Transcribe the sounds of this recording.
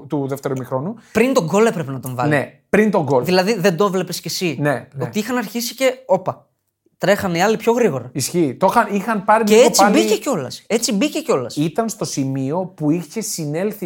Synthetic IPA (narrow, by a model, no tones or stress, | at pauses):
t̪uðeft̪e̞ɾumixɾo̞nupɾint̪o̞ɡo̞le̞pɾe̞pe̞nɐt̪o̞ɱvɐlne | pɾint̪o̞ɡolðilɐðiðe̞nd̪o̞vle̞pe̞scesineo̞t̪iixɐnɐɾçisi̥ce̞o̞pɐ | t̪ɾe̞xɐniɐlipço̞ɣɾiɣo̞ɾɐisçiːt̪o̞xɐnixɐnpɐɾimeeot͡siɐbiceco̞lɐ̰se̞t͡sibice̞ceo̞lɐsit̪ɐnst̪o̞simio̞puiçesine̞lθi